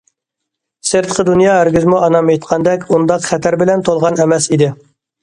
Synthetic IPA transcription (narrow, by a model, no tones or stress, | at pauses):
seɾt̪qʰəd̪unjɑːɦæɾɡʲyzmuʔɑnɑmet̪qʰɑnd̪ɛkʲund̪ɑqχɛt̪ʰæɾbɪlɛnt̪ʰolˠʁɑnɛmɛsid̪ɪ